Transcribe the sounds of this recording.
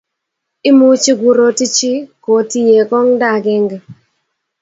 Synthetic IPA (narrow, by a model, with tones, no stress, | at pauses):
ɪ˦mu˦t͡ʃi˦ɡʷu˨ɾo˦ti˦t͡ʃi˦ko˨ti˦je˨kɔ˦ŋda˦˨ɡɛ˦ŋɡa˨